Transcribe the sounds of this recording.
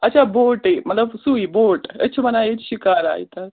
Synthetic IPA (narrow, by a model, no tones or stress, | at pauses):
ɐtːt͡ʃʰaboʈemɐt̪ləbsuiboːʈə̰tːt͡ʃʰəmənaet͡ɕɕikaːɾa̰ːj̰t̪a